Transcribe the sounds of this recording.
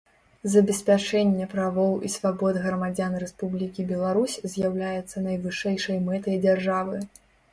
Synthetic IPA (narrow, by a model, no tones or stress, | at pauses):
zɐbʲɛsʲpʲat͡ʂɛnʲːɛpɾavɔwisvabɔd̪ɣɾɐmad͡zʲanrɛspublʲikʲibʲɛlˠaɾusʲzʲjawlʲajɛt̪sːɐnɐjvɨʂɛjʂɐjmɛt̪ɐjd͡zʲarʐavɨ